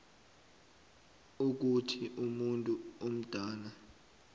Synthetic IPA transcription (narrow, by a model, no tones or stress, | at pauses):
uk̬utʰiʔumuntʼuom̩d̥ʱaːna